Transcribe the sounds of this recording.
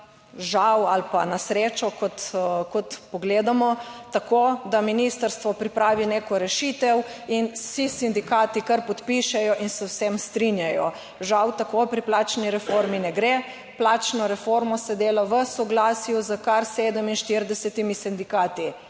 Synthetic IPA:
ʒawalpa̰nasɾeːt͡ʃɔkɔt̪kɔt̪pɔɡleːd̪amɔt̪akod̪aminist̪əɾst̪ʋɔpɾipɾaːʋineːkɔɾɛʃit̪ɛw | insisind̪ikaːt̪ikəɾpɔt̪piʃɛjɔʔinsɛwsɛmst̪ɾinjajɔ | ʒawt̪akopɾiplaːt͡ʃniɾɛfoɾminɛɡɾe | plat͡ʃnɔɾɛfoɾmɔsɛd̪eːlaʋəsɔɡlaːsijuzəkaɾseːd̪əminʃt̪iɾd̪ɛsɛt̪imisind̪ikaːt̪i

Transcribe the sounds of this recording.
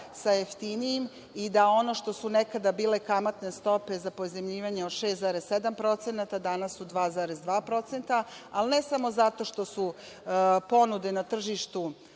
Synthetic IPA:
sajeft̪inijim | id̪ao̞no̞ʃt̪o̞sunekad̪abiːle̞kamat̪ne̞st̪o̞pe̞zapozemʎiːʋaɲeoʃeszaɾessed̪ampɾo̞t̪senat̪ad̪anasːud̪ʋaːzaɾezd̪ʋaːpɾo̞t̪se̞nt̪aalnesamo̞zat̪o̞ʃt̪o̞su | po̞nud̪enat̪r̩ʒiʃt̪u

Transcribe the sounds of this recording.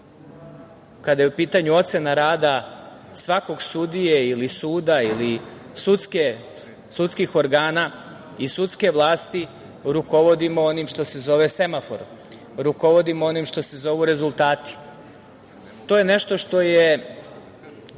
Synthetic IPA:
kad̪ajeupiːt̪aɲuo̞t̪senaɾaːd̪a | sʋako̞ɡsud̪ijeilisuːd̪aili | sut̪ske | sut̪skixo̞ɾɡaːna | isut̪ske̞ʋlˠaːst̪i | ɾuko̞ʋo̞d̪imooniːmʃt̪o̞se̞zo̞ʋe̞se̞mafo̞̰ɾu | ɾuko̞ʋo̞d̪imoo̞niːmʃt̪o̞se̞zo̞ʋuɾe̞zulˠt̪aːt̪i̥ | t̪o̞jene̞ʃt̪o̞ʃt̪o̞je

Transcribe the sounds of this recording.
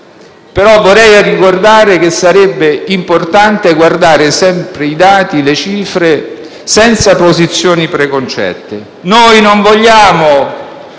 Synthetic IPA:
peɾɔvːoɾɛjarikord̪aːɾek̟esːaɾɛbːeimport̪ant̪eɡward̪aːɾesɛmpɾeid̪aːt̪ilet͡ʃiːfɾe | sɛnt̪sapozit̪sːjoːnipɾekont͡ʃɛ̰t̪ːe | nojnoɱvoʎːaːmo

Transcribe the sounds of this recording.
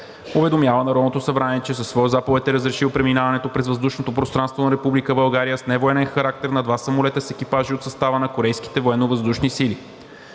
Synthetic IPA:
ʊvɛd̪omjavənɐɾɔd̪not̪osɐbɾaniɛt͡ʃɛs̬əsːvɔozapovɛt̪ɛɾəzɾɛʃiwpɾɛminavɐnɛt̪opɾɛzvəzd̪uʃnot̪opɾost̪ɾanst̪vonɐɾɛpublikəbɐlˠɡaɾijəsnɛvoɛnɛnxɐɾak̚t̪ɛɾnɐd̪vasɐmolɛt̪əsɛk̟ipaʒiot̪sɐst̪avənɐkoɾɛjski̥t̪ɛvoɛnːovəzd̪uʃnisili

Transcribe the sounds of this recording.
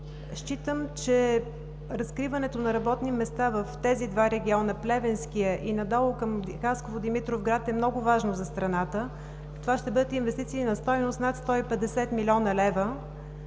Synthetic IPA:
ʃt͡ʃit̪əmt͡ʃɛ | ɾɐskɾivɐnɛt̪onɐɾɐbɔt̪nimɛst̪avəft̪ɛzid̪vaɾɛɡʲiɔnəplɛvɛnskiəʔinɐd̪ɔlˠʊkəmxaskovod̪imit̪ɾofɡɾat̪ɛmnɔɡʊvaʒnozɐst̪ɾɐnat̪ə | t̪ovaʃt̪ɛbɤd̪ət̪invɛst̪it̪siːnɐst̪ɔjnost̪nat̪st̪ɔipɛd̪ɛsɛt̪milʲɔnəlɛvə

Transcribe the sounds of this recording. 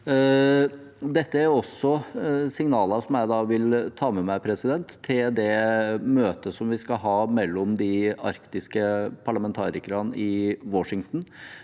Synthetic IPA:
d̪ɛt̪ːəæɾɔsːɔsɪŋnɑːləsɔmjæɪd̪ɑːʋɪlt̪ʰɑːmɛmæɪpʰɾɛsɪd̪ɛnt̪ʰːɪld̪ɛmøːt̪əsɔmʋɪskɑɦɑːmɛlːɔmd̪ɪɑɾkt̪ɪskəpʰɑɭɑmɛnt̪ʰɑːɾɪkəɾɑnɪwɔʂɪŋt̪n̩

